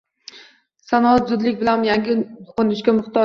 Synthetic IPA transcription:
sanɒat̪zʊd̪lɪkʲbɪlanjaŋɡʲɪt̪ʰʊ̥qʊnɪʃkʲamʊχt̪ɒ

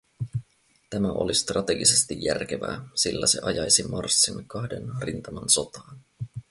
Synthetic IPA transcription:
t̪æmæʔo̰list̪rɑt̪e̞ɡise̞st̪ijːærk̟eʋæːsilːæse̞̰ʔɑjɑjsimɑrsːinkɑhde̞nrint̪ɑmɑnso̞t̪ɑːn

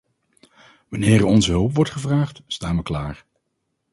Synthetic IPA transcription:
ʋɑnɪːɾɔnzəɦɵlˠpʋɔɹtχəvraːχtstaːnʋəklaːɹ

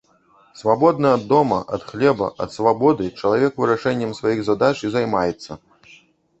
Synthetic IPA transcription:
svabɔd̪nɨɐd̪ːɔmɐ̰ʔɐ̰t̪xlʲɛbɐ̰ʔɐ̰t̪svabɔd̪ɨt͡ʂɐlˠavʲɛkvɨɾaʂɛnʲːɐmsvajiɣzad̪at͡ʂizajmajɛt̪sːɐ

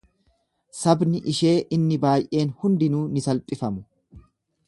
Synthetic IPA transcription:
sɐbnɪʔɪʃe̞ːʔɪnːɪbaːjʔe̞ːnhʊnd̪ɪnuːnɪsɐlpʼɪfɐmʊ̥

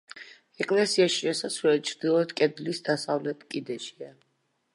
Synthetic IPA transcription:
ɛkʼlɛsiaʃi̥ʃɛsasʰvɛt̪̚t͡ʃʰɾd̪ilˠɔd̪kʼɛd̪lisd̪asavlɛt̪ʰʼkʼid̪ɛʃia

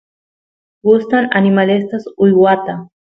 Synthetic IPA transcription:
ɡʊst̪aŋanɪmalɪst̪asʊjwat̪a

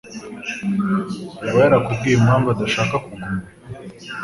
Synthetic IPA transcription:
uβajaɾakubɡijemhaːɱvadaʃaːkakuɡuma

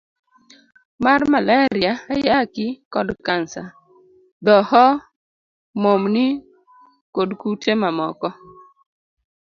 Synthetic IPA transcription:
marmalaɾɪaajakɪkɔdkansa | d̪ɔhɔ | momnɪ | kodkutemamɔkɔ

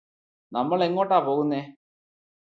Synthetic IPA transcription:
nɐmːɐɭeŋɡoːʈːaːpoːɣunːeː

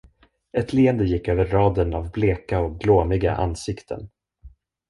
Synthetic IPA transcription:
ɛt̪ʰliːənd̪əjɪkːøːvəɾːɑːd̪ənavbleːkaɔk̚ɡloːmɪɡa̰ʔa̰nsɪkt̪ʰə̰n

